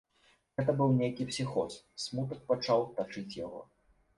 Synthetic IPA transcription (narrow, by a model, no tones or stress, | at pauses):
ɣɛt̪ɐbɨwnʲejkʲipsʲixɔs | smut̪ɐk̚pat͡ʂawt̪at͡ʂɨt͡sʲjaɣɔ̰